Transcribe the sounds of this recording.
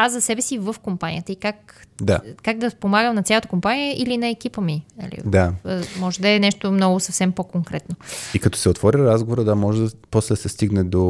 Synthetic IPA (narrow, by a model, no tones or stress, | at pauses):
azɐsɛbɛsivəfkompanʲḭjət̪əikakd̪a̰kaɡ̚d̪ɐspomaɡəmnɐt̪sʲalˠət̪əkompanijəʔilinɐɛk̟ipəminɐ̰lḭd̪amɔʒɛd̪ɐɛnɛʃt̪omnɔɡʊsɐfsɛmpokoŋkɾɛt̪noikɐt̪ɔ̥sɛot̪vɔɾʲəɾazɡovoɾəd̪amɔʒɛd̪ɐpɔslɛd̪ɐsɛst̪iɡnɛd̪o